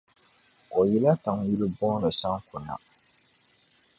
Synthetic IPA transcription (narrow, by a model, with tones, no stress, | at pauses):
kɔ˨ji˦la˦ta˨ŋji˦li˦bɔ˦ɾɨ˨sa˦ŋkʊ˨na̰˨